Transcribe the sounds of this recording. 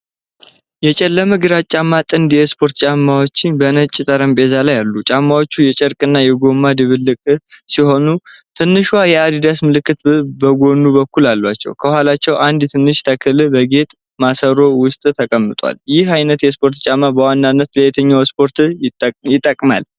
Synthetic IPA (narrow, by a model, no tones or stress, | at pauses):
jɛt͡ʃʼɛlːəməɡɨɾat͡ʃʼamːat̪ʼɨnd̪jɛspʰo̞ɾt̪t͡ʃʼamːawot͡ʃːɪnbənət͡ʃʼːt̪ʼəɾəmbe̞zalajalːut͡ʃʼamːawo̞t͡ʃːujɛt͡ʃʼɛɾkʼɨnːajɛɡo̞mːad̪ɨβɨlːɨkʼsiho̞nut̪ʰɨnːɨʃajɛad̪id̪asmɨlɨkːɨt̪bəɡo̞nːubəkːulalːwat͡ʃːɛ̰wkʰəhalat͡ʃːɛwʔand̪t̪ʰɨnːɨʃt̪ʰəkʰɨlɨbəɡe̞t̪ʼ | masəɾo̞wʊst̪ʼt̪ʰəkʼəmːɨt̪ʼwa̰ljɪhajnət̪jɛspʰo̞ɾt̪t͡ʃʼamːabəwanːanːət̪ləjɛt̪ʰəɲːawspʰo̞ɾt̪jɪt̪ʼːəkʼma̰l